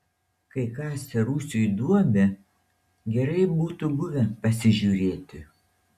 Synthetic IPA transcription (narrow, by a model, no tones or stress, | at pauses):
kɐɪkɑːsʲɛɾuːsʲujd̪uɔmʲɛ | ɡʲɛɾɐɪbuːt̪ʊbʊʋʲɛpɐsʲɪʒʲuːɾʲeːt̪ʲɪ